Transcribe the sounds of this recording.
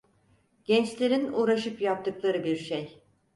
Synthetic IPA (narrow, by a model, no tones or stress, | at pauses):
ɟ̥ɛnt͡ʃlʲe̞ɾinuːɾaʃɯpjap̚t̪ʰɯklˠaɾɯbiɾʃej